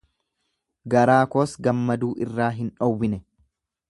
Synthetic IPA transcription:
ɡɐɾaːkoːsɡɐmːɐd̪uːʔɪrːaːɦɪnᶑɔwːɪnɛ

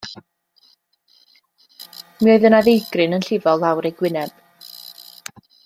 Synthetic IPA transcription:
mioɨðənaðejɡ̥rɨnənɬɪvɔlˠːawɾejɡwɪnɛb̥

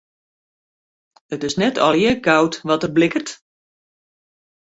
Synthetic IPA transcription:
ətɪsnɛtʰɔlˠjəɡawtʋɔtərblɪkərt

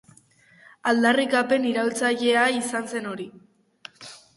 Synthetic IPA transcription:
ald̪arikape̞niɾalt͡saʎe̞aisanse̞no̞ɾi

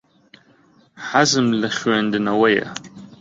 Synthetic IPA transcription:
ħazɨmlɨχʲɥandɨnawaja̰

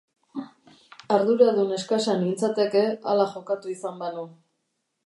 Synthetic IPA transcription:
aɾðuɾaðune̞skasanint͡sat̪e̞ke̞a̰laʝo̞kat̪uisambanu

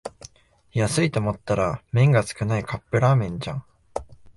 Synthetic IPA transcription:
jasɨit̪o̞ːmo̞t̪ːaɾamẽ̞ŋɡat͡sɨ̥kɯ̟naikapːeɾaːmẽ̞ɲ̟d͡ʑã̰ŋ

